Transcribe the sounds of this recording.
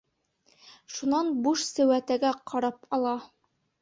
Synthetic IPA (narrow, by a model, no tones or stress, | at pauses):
ʃunɑnbuʃsɘ̆wæt̪æɡæqʰɒɾɑpɒlˠɑ